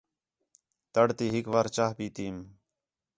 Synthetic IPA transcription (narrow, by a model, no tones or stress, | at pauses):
t̪əɽt̪iːɦɪkʋaːɾt͡ʃaːɦpiːt̪iːm